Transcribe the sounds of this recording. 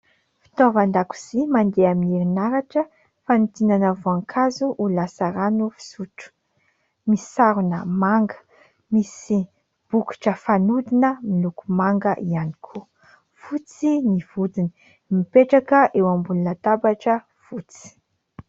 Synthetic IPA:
fi̥t̪ovand̪aku̥z̥imand̪eamiiɾinaɾaʈ͡ʂə | fanut̪inanəvoaŋkʰazuʔulasaɾanufi̥suʈ͡ʂu̥ | misaɾunəmaŋɡə̥ | misi | b̥uki̥ʈ͡ʂəfanud̪inəmilukumaŋɡəʔianikʰu | fut͡siniv̥ud̪ini̥ | mipeʈ͡ʂakəʔewambulunət̪abaʈ͡ʂə | fut͡si̥

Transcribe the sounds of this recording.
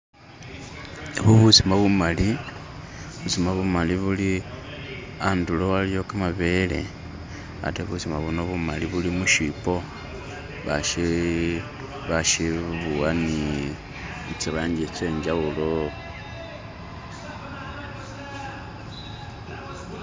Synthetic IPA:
βuβusimaβumali | βusimaβumaliβuli | andulo̞aljo̞kamaβe̞lḛ | a̰teβusimaβunoβumaliβulimuʃipo̞ | βaʃi | βaʃiβuani | t͡ʃiɾaːɲɟet͡ʃe̞ːɲd͡ʒaulo

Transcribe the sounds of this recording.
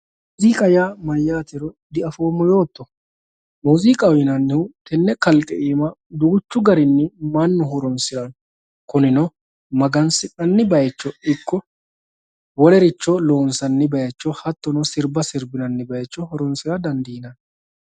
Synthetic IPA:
mː | ziːkʼɐjaːmɐjːaːt̪ɛɾɔ | d̪ɪʔɐfo̞ːmːɔjo̞ːt̪ːɔ | muːzikʼɐwɪnɐnːɪʊt̪ɛnːɛkɐlkʼɛʔiːmɐd̪uɡʊt͡ʃːʊɡɐɾɪnːɪmɐnːʊɦɔɾɔnsɪɾɐn | kʊnɪnɔ | mɐɡɐnsɪʔɐnːɪbɐjɛt͡ʃːɔɪkːɔ | wɔlɛɾɪt͡ʃːɔloːnsɐnːɪbɐjɛt͡ʃːɔhɐt̪ːɔnɔsɪɾbɐsɪɾbɪnɐnːɪbɐjɛt͡ʃːɔhɔɾɔnsɪɾɐd̪ɐnd̪iːnɐn

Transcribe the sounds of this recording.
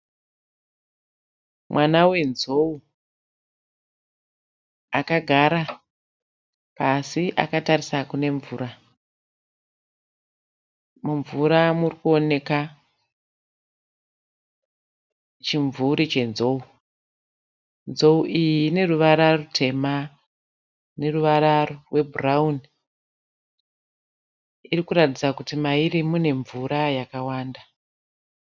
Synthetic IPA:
mwʔanawe̞nzo̞u | akaɡʱaɾa | pasiʔa̰katarisakune̞ɱvuːra | muɱvuɾamurikuo̞ne̞ka | t͡ʃiɱvuɾit͡ʃe̞nzo̞u | nzo̞uʔijiine̞ruʋaɾarutʰe̞ma | ne̞ruʋaɾarorwe̞buraun | irikuɾatid͡zakutimaiɾimune̞ɱvuɾajakawaːnda

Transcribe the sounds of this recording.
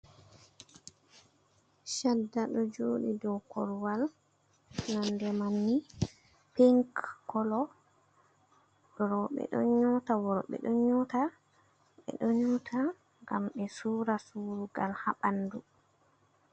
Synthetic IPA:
ʃadːaɗɔd͡ʒoːɗidɔwkɔɾwal | nandɛmanːi | piŋkːɔlɔ | ɗɔɾɔɓɛ̰ɗɔ̰ɲɔtawɔɾɔɓɛ̰ɗɔɲɔta | ɓɛ̰ɗɔɲɔtʰa | ŋɡamɓɛsuːɾasuːɾuɡalha̰ɓandu

